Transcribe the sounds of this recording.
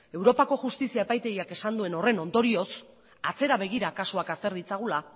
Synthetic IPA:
e̞wɾo̞pako̞ʝust̪isiae̞pajt̪e̞ɣiake̞sand̪ue̞no̞re̞no̞nd̪o̞ɾio̞s | at͡se̞ɾaβ̞e̞ɣ̞iɾakasuakast̪e̞ɾðit͡saɣ̞ula

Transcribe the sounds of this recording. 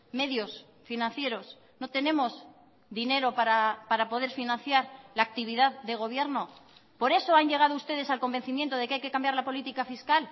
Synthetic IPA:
me̞ðjo̞s | finãnθje̞ɾo̞s | no̞t̪e̞ne̞mo̞z | ðine̞ɾo̞paɾapaɾapo̞ð̞e̞ɾfinãnθjaɾlaːk̚t̪iβiðaððe̞ɣ̞o̞β̞je̞ɾno̞po̞ɾe̞so̞aɲʝe̞ɣ̞aðoust̪e̞ð̞e̞salko̞mbe̞nθimje̞nt̪o̞ð̞e̞keajke̞kambjaɾlapo̞lit̪ikafiskal

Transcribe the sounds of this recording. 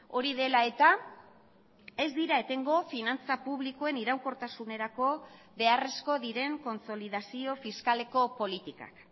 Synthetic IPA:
o̞ɾiðe̞lae̞t̪a | e̞zd̪iɾae̞t̪e̞ŋɡo̞finant͡sapuβ̞liko̞e̞niɾawko̞ɾt̪asune̞ɾako̞ | βe̞are̞sko̞ðiɾe̞ŋko̞nt͡so̞lið̞asio̞fiskale̞ko̞po̞lit̪ika̰k

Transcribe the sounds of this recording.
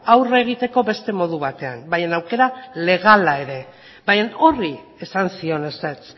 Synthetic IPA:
awre̞ɣ̞it̪e̞ko̞βe̞st̪e̞mo̞ð̞uβ̞at̪e̞a̰mbajenawke̞ɾale̞ɣ̞alae̞ɾe̞ | bajeno̞ri | e̞sansio̞neset͡s

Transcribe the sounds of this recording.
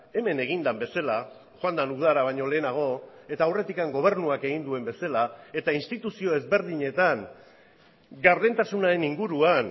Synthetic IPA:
e̞me̞ne̞ɣ̞ind̪ambe̞sala | xoand̪anuð̞aɾaβ̞ajɲo̞le̞ːnaɣ̞o̞e̞t̪aːwre̞t̪ikaŋɡo̞β̞e̞ɾnuake̞ɣind̪ue̞mbe̞salae̞t̪ainst̪it̪usio̞e̞zβe̞ɾð̞iɲe̞t̪aŋ | ɡaɾðe̞nt̪asunaɾe̞niŋɡuɾuan

